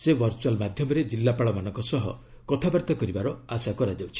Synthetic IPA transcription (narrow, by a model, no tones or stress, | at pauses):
seʋɔɾt͡ʃualmad̪ʱjɔmɔɾed͡ʒilːapaɭɔmanɔŋkɔsɔɦɔ̰ | kɔt̪ʰabaɾt̪ɔkɔɾibaɾɔasakɔɾad͡ʒawt͡ʃʰi̥